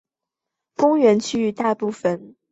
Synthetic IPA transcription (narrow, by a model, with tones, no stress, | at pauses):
kʊ˥ŋɥɛ˧˥nt͡ɕʰy˥y˧˥t̪a˥˧pu˥˩fə˥˨˩n